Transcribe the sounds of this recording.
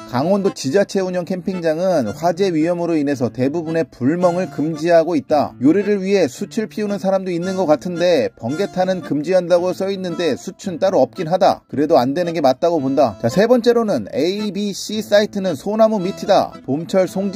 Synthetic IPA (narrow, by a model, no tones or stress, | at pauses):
kaŋwʌndot͡ɕid͡ʑat͡ɕʰe̞uɲʌŋkʰe̞mpʰiŋd͡ʑaŋɯnɸwad͡ʑe̞ɥijʌmɯɾoine̞s̬ʰʌte̞bubune̞puɭmʌŋɯɭkɯmd͡ʑiɦaɡoit̚t͈a̰joɾiɾɯɭɥiɦe̞sʰut͡ɕʰuɭpʰiunɯnsʰaɾamdoinːɯnɡʌk͈atʰɯnde̞pʌŋɡe̞tʰanɯnkɯmd͡ʑiɦandaɡos͈ʌinːɯnde̞sʰut͡ɕʰunt͈aɾuʌp̚k͈inɦada̰kɯɾe̞doandwe̞nɯnɡe̞mat̚t͈aɡobondat͡ɕasʰe̞bʌnt͡ɕ͈e̞ɾonɯnebiɕ͈is͈aitʰɯnɯnsʰonamumitʰida̰pomt͡ɕʰʌɭsʰoŋd͡ʑ